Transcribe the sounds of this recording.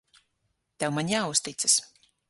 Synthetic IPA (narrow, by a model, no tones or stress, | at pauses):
t̪ɛwmaɲjaːust̪it̪sɨ̥s